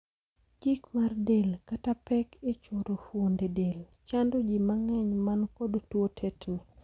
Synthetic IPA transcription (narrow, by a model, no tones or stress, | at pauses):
d͡ʒikmardelkatapɛket͡ʃoɾofwondedel | t͡ʃandod͡ʒimaŋɛɲmankodtwotʰetnɪ